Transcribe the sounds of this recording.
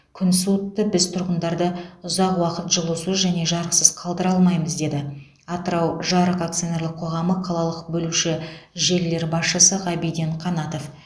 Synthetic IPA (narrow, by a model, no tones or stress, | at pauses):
kʲʰʏnsut̪ːəbɪzt̪ʰʊɾʁənd̪ɑɾd̪əʊzɑqwɑqət̪ʒəlˠəsuzʒæne̞ʒɑɾəqsəz̥qʰɑlˠd̪əɾɑlˠmɑjməzd̪e̞d̪ɪ | ɑt̪əɾɑwʒɑɾəqak̚t̪sijone̞ɾlˠɪqʰo̞ʁɑməqʰɑlˠɑlˠəqbɵluʃɪʒe̞lːe̞ɾbɑsʃəsəʁɑbijd̪eɴqʰɑnɑt̪o̞f